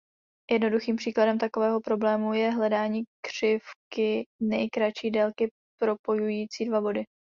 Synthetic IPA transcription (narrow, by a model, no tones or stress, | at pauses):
jɛdno̞duxiːmpr̥iːkladɛmt̪akovɛːɦo̞pɾo̞blɛːmujɛɦlɛdaːɲiːkr̝̥ɪfkɪnɛjkɾat͡ʃiːdɛlkɪ | pɾo̞po̞jujiːt͡siːdvabo̞dɪ